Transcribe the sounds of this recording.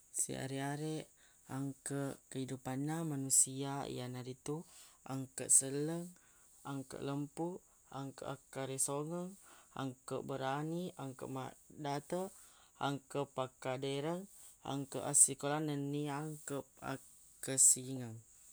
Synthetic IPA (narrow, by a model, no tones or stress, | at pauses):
sḭa̰ɾiaɾeʔ | aŋkəʔkəidupanːamanusiaḭjanaɾit̪uʔa̰ŋkəʔsələŋ | aŋkə̰ʔləmpuʔ | aŋkə̰ʔakaɾesoŋəŋa̰ŋkəʔbəɾaniaŋkə̰ʔmadat̪ə | aŋkəpakadəɾəŋa̰ŋkəʔasikolanənːiaŋkəp̚a̰ | kəsiŋəŋ